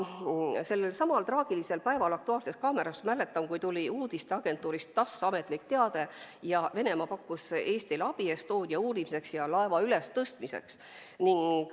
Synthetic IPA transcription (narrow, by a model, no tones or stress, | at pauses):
se̞lːelsɑmɑlt̪rɑːɡ̥ilise̞lpæevɑlɑk̚t̪uɑːlse̞skɑːme̞ɾɑsmæle̞t̪ːˑɑmkujt̪ulʲiuːd̪̥ist̪eɑɡ̥e̞nt̪ːˑuːɾist̪ːɑsːɑme̞t̪ˑlikt̪e̞ɑd̪e̞ | jɑve̞ne̞mɑpɑkːuse̞ːst̪ilɑb̥iest̪oːd̪̥jɑuːɾimise̞ksjɑlɑevɑyle̞st̪ɤst̪mise̞̰ks | niŋɡ̥